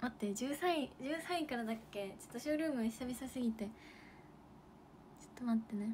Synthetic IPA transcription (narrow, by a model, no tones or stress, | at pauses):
mat̪ːed͡ʑɨːsaid͡ʑɨːsãĩkaɾad̪akːe̞t͡ɕo̥t̪ːoɕoːɾɯ̟ːmɯ̟eɕi̥t̪abesasɨɡʲit̪e̞ | t͡ɕo̥t̪ːomat̪ːe̞ne̞